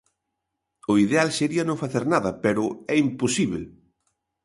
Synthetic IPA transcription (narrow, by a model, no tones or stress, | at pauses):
ʊiðealseɾiɐnõŋfaθeɾnaðɐpɛɾʊɛimposiβl